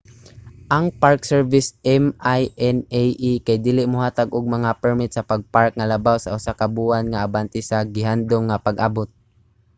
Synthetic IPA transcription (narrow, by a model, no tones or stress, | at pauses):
ʔaŋpaɹksɛɹvɪsʔɛmajɛnɛjʔikajd̪iːlɪʔmʊɦaːt̪aɡʔʊɡ̚maŋapɛɹmɪt̪sapaɡ̚paɹk̚ŋalabawsaʔʊsakabuanŋaʔabant̪ɪsaɡɪɦand̪ʊmŋapaɡʔabʊt̪̚